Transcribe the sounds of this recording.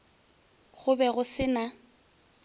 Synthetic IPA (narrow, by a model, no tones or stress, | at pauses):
ɣʊbɛɣʊsɪna